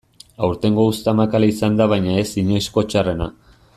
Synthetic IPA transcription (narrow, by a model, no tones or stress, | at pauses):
awɾt̪e̞ŋɡo̞ust̪amakalaisand̪aβajɲae̞siɲojsko̞t͡ʃare̞na